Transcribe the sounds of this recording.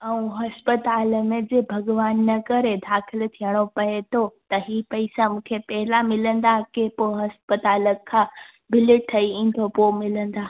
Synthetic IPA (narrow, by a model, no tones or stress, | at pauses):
ɐũɦɐspət̪aːləmẽd͡ʑeːbʱɐɡʋaːnːɐkɐɾed̪ʱaːxʰɪlt̪ʰijəɽ̃opɐet̪ʰot̪ɐɦiːpɐisamũːkʰepɛɦɪlamɪlə̃nd̪akepoɦɐspət̪aːləkʰːãː | bɪlɪʈ̚t̪ʰːɐiĩːn̆d̪ʱopoːmɪlə̃nd̪aː